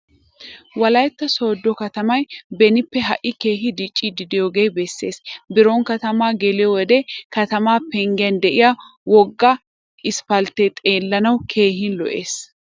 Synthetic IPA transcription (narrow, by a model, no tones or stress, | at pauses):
wɐlɐjt̪ːɐso̞ːd̪ːɔkɐt̪ɐmɐjbɛnɪpːɛɦɐʔːɪke̞ːɦɪd̪it͡ʃʼːid̪ɪd̪ɪjoːɡejbɛsːe̞ːsbɪɾoŋkɐt̪ɐmaːɡɛlɪjɔwɔd̪ɛkɐt̪ɐmaːpɛŋɡɪɐnd̪ɛʔɪjɐ | wɔɡːɐ | ɪspɐlt̪ːɛt̪ʼe̞ːlːɐnɐwkʰe̞ːɦɪnlɔ̰ʔe̞ːs